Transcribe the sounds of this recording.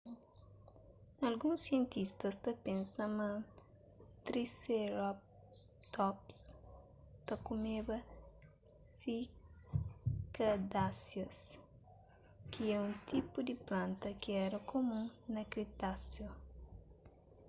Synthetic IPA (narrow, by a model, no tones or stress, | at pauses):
ɐlɡũsiẽnt̪ist̪ɐst̪ɐpẽnsɐmɐ̃ | t̪ɾiseɾɔp̚ | t̪ɔps | t̪ɐkumebɐ | si | kɐd̪asjɐs | kʰiɛũnt̪ipud̪iplãnt̪ɐkiɛɾɐkʰomũnɐkɾit̪asjo